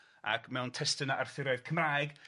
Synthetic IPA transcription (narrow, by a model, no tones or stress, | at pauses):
a̰kʰmɛwntʰɛstənaʔarθɪɾɔɨð̥kʰəmraːjɡ